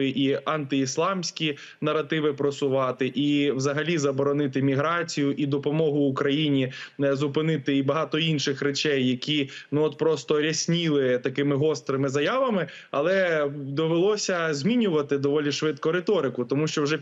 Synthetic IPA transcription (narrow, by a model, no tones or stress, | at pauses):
ɪʔiɐnt̪ɪislˠɑmsʲkʲi | nɐrɐt̪ɪʋɪpɾɔsʊʋɑt̪ɪʔiʋzɐɦɐlʲizɐbɔɾɔnɪt̪ɪmʲiɦɾɑt͡sʲijʊʔid̪ɔpɔmɔɦʊːkɾɐjinʲizʊpɪnɪt̪ɪibɐɦɑt̪ɔinʃɪxɾet͡ʃɛjːɐkʲinuɔt̪pɾɔst̪ɔɾʲɐsʲnʲilˠɪt̪ɐkɪmɪɦɔst̪ɾɪmɪzɐjɑʋɐmɪ | ɐ̰lˠɛd̪ɔʋelˠɔsʲɐzʲmʲinʲʊʋɐt̪ɪd̪ɔʋɔlʲiʃʋɪt̪kɔɾet̪ɔɾɪkʊt̪ɔmuʃt͡ʃɔwʒɛ